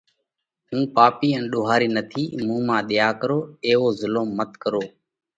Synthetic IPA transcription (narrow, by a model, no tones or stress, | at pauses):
ɦũːpaːpiːɛ̃ːnɗʊːɦaːɾiːnət̪ʰiːmũːmãːɗ̪ɪjaːkəɾoːeːɦoːzɪloːmːət̪kəɾoː